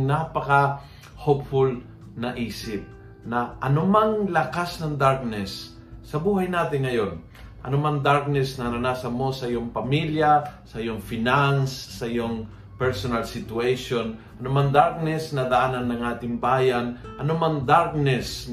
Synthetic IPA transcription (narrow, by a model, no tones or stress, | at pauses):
napɐkɐ | hop̚fʊl | nɐʔiːsɪp̚ | nɐʔɐnʊmaŋlɐkasnɐŋd̪aɹk̚nɛsː | ɐbuːhɐjnaːt̪ɪnŋɐjon | ʔɐ̰nʊmaŋd̪aɹk̚nɛsnɐnɐnaːsɐmosɐʔɪjoŋpɐmiljasɐʔɪjoŋfɪnansːɐʔɪjoŋ | pɛɹsonɐlsɪt̪ʊɛjʃonʔɐnʊmaŋd̪aɹk̚nɛsnɐd̪ɐʔanɐnːɐŋʔaːt̪ɪŋbaːjanʔɐnomaŋd̪aɾk̚nɛs